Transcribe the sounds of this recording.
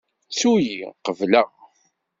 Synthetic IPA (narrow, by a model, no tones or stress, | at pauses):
sujiqəvlə